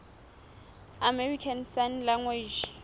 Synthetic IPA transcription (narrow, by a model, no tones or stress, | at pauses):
amɛrikʰansanlaŋwed͡ʒ